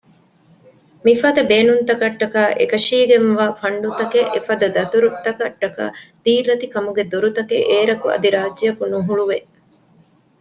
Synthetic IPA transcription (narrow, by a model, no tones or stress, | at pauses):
mifɐd̪ɐbeːnunt̪ɐkɐʈːɐkaːʔḛkɐʃiːɡenʋaːfɐɳɖut̪ɐkeʔefɐd̪ɐd̪ɐt̪uɾut̪ːɐkɐʈːɐka̰ːd̪̥iːlɐt̪ikɐmuɡed̪oɾut̪ɐkeʔeːɾɐkuɐ̰d̪iɾaːd͡ʒd͡ʒɐjɐkunuɦuɭuʋe